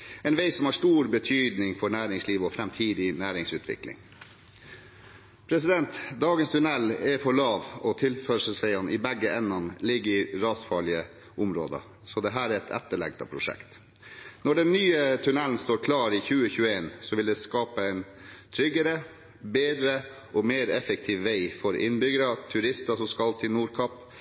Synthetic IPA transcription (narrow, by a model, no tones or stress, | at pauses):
ɛnʋeɪsɔmhɑʂt̪uːɾbət̪ʰyːd̪nɪŋfɔɳæːɾɪŋsliːʋɔfɾɛmt̪ʰiːd̪ɪnæːɾɪŋsʉːt̪ʰʋɪ̰klɪ̰ŋ | pʰɾɛsɪd̪ɛnt̪d̪ɑːɡənst̪ʰʉnɛlːɛfɔɭɑːʋɔt̪ʰɪlfœʂəsʋæɪɑnʔɪbɛɡːəʔɛnːɑnlɪɡːəɾɪɾɑːsfɑːɭɪə | ʔʊmɾo̰ːd̪ɑ̰ | sɔd̪ɛɦæːɾɛɾɛt̪ʰɛ̰t̪ːəɭɛ̰ɡt̪ɑ̰pʰɾʊʂɛ̰kt̪ | nɔɖɛnːyːət̪ʰʉnɛln̩st̪oːɾkʰlɑːɾɪçʉːəçʉəeːnsɔʋɪld̪ɛskɑːpəɛɪn | t̪ʰɾʏɡəɾə | beːd̪ɾə | ʔɔmeːɾɛfək̚t̪ʰiːʋʋeɪfɔɾʔɪ̰nbʏɡəɾɑt̪ʰʉɾɪst̪ɑsɔskɑlt̪ʰɪnuːɾkʰɑp